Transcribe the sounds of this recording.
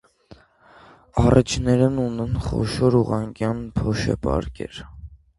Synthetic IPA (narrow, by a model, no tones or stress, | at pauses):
ɑrʔit͡ʃʰnɛɾɛnunɛnχɔ̰ʃɔɾuʁɑŋkjɑnpʰɔʃɛ̰pɑ̰ɾkɛ̰ɾ